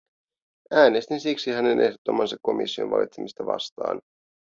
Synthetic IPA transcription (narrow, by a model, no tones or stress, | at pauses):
æːne̞st̪insiksihæne̞nʔe̞hdot̪ːomːɑnsɑkkːo̞mḭsːio̞̰nʋɑ̰lʔit̪semist̪ɑʋɑ̰st̪ɑ̰ːn